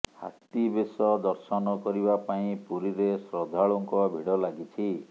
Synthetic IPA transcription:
ha̰t̪ibesɔd̪ɔɾsɔnɔkɔɾibapaĩpuɾiɾesɾɔd̪ʱaɭuŋkɔbʱiɽɔlaɡit͡ʃʰi

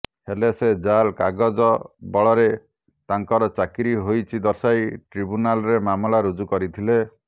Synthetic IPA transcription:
helesed͡ʒalkaɡɔd͡ʒɔbɔɭɔɾe | t̪aŋkɔɾɔt͡ʃakiɾiɦojt͡ʃʰid̪ɔɾsajʈɾibunalɔɾemamɔlaɾud͡ʒukɔɾit̪ʰile

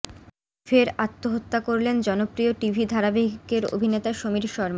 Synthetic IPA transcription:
feɾat̪ːoɦot̪ːakoɾlend͡ʑɔnopɾioʈibʱid̪ʱaɾabeɦkeɾo̰bʱinet̪aʃomiɾʃɔɾma

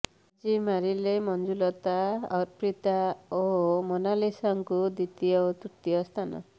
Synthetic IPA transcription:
d͡ʒimaɾilemɔnd͡ʒulɔt̪aɔɾpɾit̪aomonalisɔŋkud̪it̪ijɔot̪uɾt̪iɔst̪ʰanɔ̰

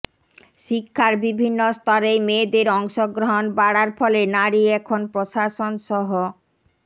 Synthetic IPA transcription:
ʃikʰːaɾbibʱinːost̪ɔɾejmed̪eɾɔŋʃoɡɾoɦonbaɽaɾfɔlenaɽiɛkʰonpɾoʃaʃonʃɔɦo

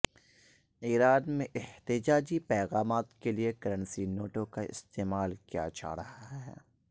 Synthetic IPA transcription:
iːɾaːnmẽʔɛht̪ɪd͡ʒaːd͡ʒipɛːɣaːmaːt̪keliekɐɾə̃nsinoːʈokaɪ̰st̪eːmaːlkija̰ːt͡ʃʰa̰ːɾɐɦaɦɛɛː

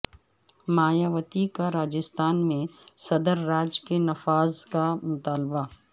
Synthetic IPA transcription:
maːjaːʋət̪ikaɾaːd͡ʒɪst̪aːnmẽsɐd̪əɾːaːd͡ʒkenɐfaːzkamʊt̪aːlba

